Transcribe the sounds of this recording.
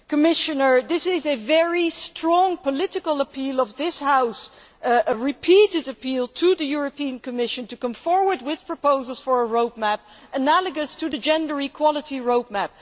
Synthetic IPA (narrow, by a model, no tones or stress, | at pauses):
kʰəmɪʃɨnə˞ðɪsɪzɨvɛɹistɹ̥ɔ̃ŋpəlɪɾɨkəl̩ˠəpilˠʌvðɪshaʊs | ʔəɹɨpʰiɾɨdɨpilˠtʰɨðɨjʊɹɨpĩɨ̃nkʰɨmɪʃɨ̃ntɨkʌ̃ɱfɔɹwə˞d̚wɪð̥pʰɹ̥əpoʊzəl̩ˠz̥fə˞əɹoʊd̚mæp̚ɨnælˠɨɡɨstʰɨðɨd͡ʒɛ̃ndə˞ikʰw̥ɑlˠətiɹoʊd̚mæp̚